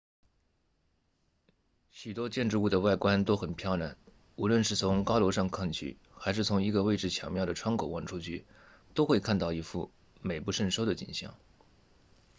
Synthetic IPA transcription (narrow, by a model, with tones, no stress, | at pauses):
ɕy˨˩t̪wɔ˥t͡ɕjɛ˥˧nʈ͡ʂɻ̩˥˧u˥˩d̪ə˩wa˥˩ɪkwa˥nt̪o˥ʊxə˨˩npʰjɑ˥˧ʊna˥˩n | u˧˥lwə˥˧nʂɻ̩˥˩t͡sʰʊ˧˥ŋkɑ˥ʊlɔ˧˥ʂɑ˥˧ŋkʰɑ˥˧ŋt͡ɕʰy̰˥˩ | xa˧˥ɪʂɻ̩˥˩t͡sʰʊ˧˥ŋi˧˥ɡə˧we˥˧ɪʈ͡ʂɻ̩˥˩t͡ɕʰjɑ̰˧˥ŋmjɑ˥˩ʊd̪ə˩ʈ͡ʂʰwa˥ŋko˨˩wɑ˥˩ŋʈ͡ʂʰu˥t͡ɕʰy̰˥˩ | t̪o˥ʊxwe˥˧ɪkʰa˥˧nt̪ɑ˥˩ʊi˧˥fṵ˥˩ | me˨˩ɪpu˧˥˧ʂə˥˩ŋʂʊd̪ə˨t͡ɕḭ˨˩ŋɕjɑ̰˥˩˦ŋ